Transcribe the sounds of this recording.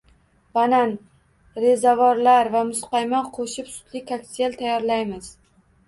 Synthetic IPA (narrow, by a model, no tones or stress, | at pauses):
b̥anan | ɾe̞zavɒɾlaɾvamʊsqɑjmaqʰoʃɪpsʊ̥t̪lɪkʲʰakt̪ʲelt̪ʰajɒɾlajmɪz